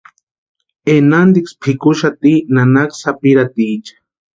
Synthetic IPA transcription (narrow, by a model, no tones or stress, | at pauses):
enand̪ikspʰikuʃat̪inanaksapiɾat̪it͡ʃḁ